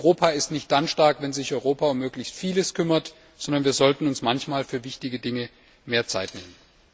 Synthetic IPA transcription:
ʁoːpʰaɪstnɪçt̚d̥anʃtaɐkvɛnzɪçʔɔʏʁoːpaʊmːøːɡlɪçstfiːləskʰʏmɐt | z̥ɔndɐnviːɐzɔltn̩ʊnsmançmaːlfyːɐvɪçtɪɡədɪŋə | meːɐt͡sa̰ɪtnḛːmən

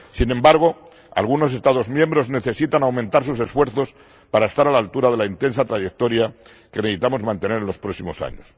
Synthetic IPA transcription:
sine̞mbaɾɣ̞o̞ | a̰lɣuno̞s̬e̞st̪aðo̞zmjẽ̞mbɾo̞zne̞θe̞sit̪anawmẽnt̪aɾsuse̞sfwe̞ɾθo̞s | paɾae̞st̪aɾalalt̪uɾað̞e̞laint̪e̞nsat̪ɾaʝe̞k̚t̪o̞ɾja | ke̞neðit̪amo̞zmãnt̪e̞ne̞ɾe̞nlo̞spɾo̞ksimo̞sa̰ɲos

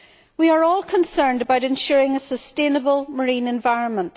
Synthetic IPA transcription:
wiə˞ɔlˠkʰə̃nsɜ̃˞ndəbaʊɾɪ̃nʃʊɹɪ̃ŋəsəstẽnəbəlˠməɹĩnɛ̃ɱvaɪɹə̃nmə̃nt

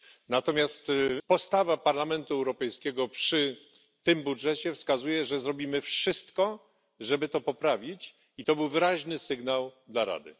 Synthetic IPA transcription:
nat̪ɔmʲjast̪pɔst̪avapaɾlamɛnt̪uɛwɾɔpɛjskʲɛɡɔpʂɘ | t̪ɘmbudʐɛt͡ɕɛfskazujɛʐɛzɾɔbʲimɘfʂɘst̪kɔ | ʐɛbɘt̪ɔpɔpɾavʲit͡ɕ | it̪ɔbɘwvɘɾaʑnɘsɘɡnawd̪laɾa̰d̪ɘ̰

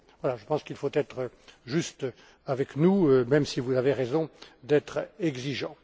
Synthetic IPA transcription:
vwalaʒəpɑ̃skilfot̪ɛt̪χə | ʒyst̪ | avɛknuømɛmsivuzaveʁɛzɔ̃d̪ɛt̪χɛɡziʒɑ̃

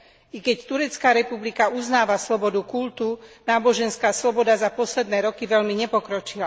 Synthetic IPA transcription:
ikɛct̪uɾɛt͡skaːɾɛpublikauznaːʋaslɔbɔd̪ukult̪unaːbɔʒɛnskaːslɔbɔd̪azapɔslɛd̪nɛːɾɔkiʋɛʎmiɲɛpɔkɾɔt͡ʃila

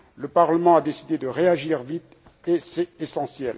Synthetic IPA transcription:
ləpaʁləmɑ̃ad̪esid̪ed̪əʁeaʒiʁvit̪ | esɛesɑ̃sjɛl

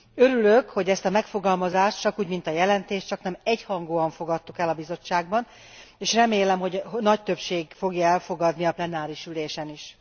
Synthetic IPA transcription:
ø̞ɾyløkho̞ɟɛst̪ɒmɛkfo̞ɡɒlmɒzaːʃt̪t͡ʃɒkuːɟmint̪ɒjɛlɛnt̪eːʃtt͡ʃɒknɛmɛchɒŋɡoːɒɱfo̞ɡɒt̪ːukɛlːɒbizo̞t͡ʃːaːɡ̚bɒn | eːʃrɛmeːlɛmɦo̞ɟɦnɒc̚t̪ø̞pʃeːɡfo̞ɡjɒɛlfo̞ɡɒd̪niɒplɛnaːɾiʃyleːʃɛniʃ

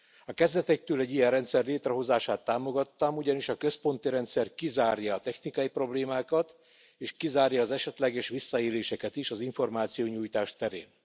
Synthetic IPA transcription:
ɒkɛzd̪ɛt̪ɛk̚t̪øːlɛɟːijɛnrɛnt̪sɛrleːt̪rɛɦo̞zaːʃaːt̪ːaːmo̞ɡɒt̪ːɒmuɟɒniʃɒkø̞spo̞nt̪iɾɛnt̪sɛrkizaːrjɒːt̪ɛxnikɒjipro̞bleːmaːkɒt̪ | eːʃkizaːrjɒːzɛʃɛt̪lɛɡɛʃʋisːɒeːleːʃɛkɛt̪iʃɒziɱfo̞rmaːt̪sijoːɲuːjt̪aːʃt̪ɛɾḛːn

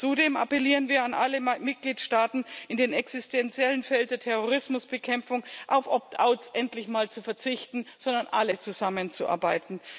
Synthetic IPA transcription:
t͡sudeːmʔa̰pɛliːʁənviːɐanʔaləmɪt̚ɡ̥liːtʃtaːtn̩ɪndeːnɛksɪstʰɛnt͡sjɛlənfɛlndeːɐtʰɛʁoʁ̞ɪsmʊsb̥əkʰɛmfʊŋʔaʊfʔɔp̚tʰa̰ʊtsʔɛntlɪçmaːlt͡sufɛɐt͡sɪçtn̩z̥ɔndɐnʔalət͡suzamənt͡suʔa̰ɐbaɪtn̩

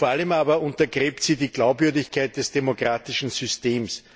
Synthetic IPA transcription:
foɐaləmaːbɐʊ̃ntɐɡʁeːptsiːdiːɡ̥laʊpvʏɐdɪçkʰaɪt̚d̥ɛsd̥emokʁaːtɪʃn̩zʏsteːms

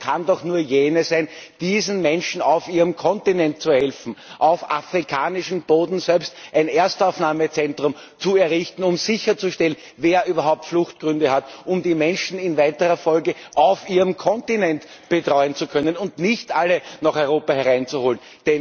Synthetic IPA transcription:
kʰandɔxnuːɐjeːnəsæɪnd̥iːzn̩mɛnʃn̩ɑʊfiːʁəmkʰɔntinɛnt̚t͡suhɛlfn̩ʔaʊfa̰fʁikʰaːnɪʃn̩b̥oːdn̩sɛlpstʔæɪnʔeɐstɑʊfnaːmət͡sɛntʁʊm | t͡suɛɐʁɪçtn̩ʊmzɪçɐt͡suʃtɛlən | veːɐʔyːbɐɦaʊp̚tflʊxtɡ̥ʁʏndəhatʊmdiːmɛnʃn̩ɪnvæɪtəʁɐfɔlɡəʔɑʊfiːʁəmkʰɔntɪnɛntb̥ətʁɔʏənt͡sukʰœnənʊntnɪçtʔalːənaχɔʏʁoːpahɛɐʁaɪnt͡suhoːlən | d̥ɛn

